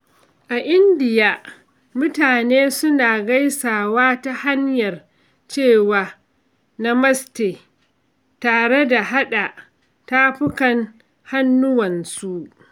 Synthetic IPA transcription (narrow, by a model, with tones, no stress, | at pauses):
ʔa˨ʔɪ˦ndɪ˨jaː˦ | mʊ˦taː˨neː˦sʊ˦naː˨ɡa˦jsaː˨waː˦ta˦ha˦ɲjɐ˨r | t͡ʃeː˦˨waː˨ | na˦mɐ˦steː˨ | taː˨ɽe˦da˨ɦa˦ɗa˨ | taː˦ɸʊ˦kɐ˨n | ha˦nːʊ˦wɐ˨nsu˦ʔ